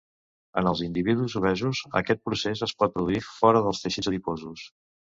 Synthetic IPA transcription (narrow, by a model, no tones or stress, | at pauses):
ə̰nəlˠzind̪iβiðuuzuβɛzuzə̰kɛt̪̚pɾusezəspɔt̪̚pɾuðuifɔɾəðəlˠst̪əʃizðifozus